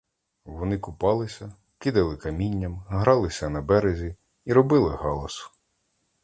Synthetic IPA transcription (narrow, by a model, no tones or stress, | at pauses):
ʋɔnɪkʊpɑlˠɪsʲɐ | kɪd̪ɐlˠɪkɐmʲinʲːɐmɦɾɑlˠɪsʲɐnɐbɛɾezʲi | iɾɔbɪlˠɪhɑlˠɔs